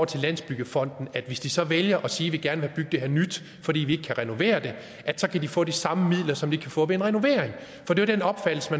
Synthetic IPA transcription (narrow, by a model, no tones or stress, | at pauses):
ɐt͡sʰe̝lːæn̰sb̥yɡ̥əfɒ̽n̰d̥n̩æd̥ʋe̝sd̥isɒ̽ʋeljɐʔɒ̽siːʋe̝ɡ̥æɐnʋehæɐb̥yɡ̥̚d̥e̝ɦḛɐnyd̥ | fɒd̥ḭːʋie̝ɡ̥əkʰæʁɛno̝ʋe̝̰ːɐd̥e̝ | ʔæ̥sɒ̽kʰæd̥ifɔ̰ːd̥isɑ̈məmið̰ˠlɐsɒ̽md̥i̥kʰæfɔ̰̽ːʋeenʁɛno̝ʋe̝ːɐ̰eŋ | fɒ̽d̥e̝ʋɐd̥enɒ̽b̥fæd̥l̩səmæ